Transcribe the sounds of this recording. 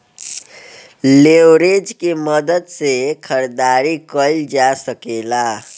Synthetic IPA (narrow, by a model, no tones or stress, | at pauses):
lewɾed͡ʒkeməd̪əd̪sekʰəɾd̪aɾikəild͡ʒasəkela